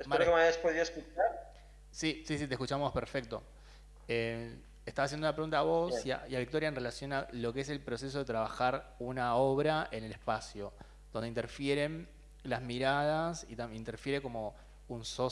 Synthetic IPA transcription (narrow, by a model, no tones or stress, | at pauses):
esmeɾokemaaspoðiaeskut͡ʃaɾ | sisisit̪ekut͡ʃamo̞speɾfe̞k̚t̪o | e | est̪asasjenunapɾeɣunt̪aːβo̞siaiaβikt̪o̞ɾjaenre̞lasjo̞nalo̞keese̞lpɾo̞se̞s̬o̞ð̞e̞t̪ɾaβaxaɾunao̞βɾae̞ne̞lespasjo | ðo̞nd̪eint̪eɾfjeɾe̞n | lazmiɾað̞asit̪aint̪e̞ɾfje̞ɾe̞ko̞mo̞ | unso